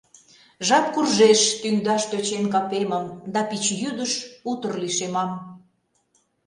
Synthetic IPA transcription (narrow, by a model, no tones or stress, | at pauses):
ʒɑpkurʒeʃt̪yŋd̪ɑʃt̪øt͡ɕenkɑpeməmd̪ɑpit͡ɕjyd̪əʃut̪ərliʃemɑm